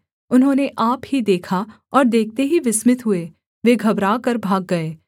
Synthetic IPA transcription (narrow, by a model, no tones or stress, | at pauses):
ʊnɦõːneʔaːpɦid̪eːkʰa | ɔːɾd̪eːk̚ʰt̪eɦiʋɪsmɪt̪ɦʊe | ʋeːɡʱɐbɾaːkɐɾbʱaːɡːɐeː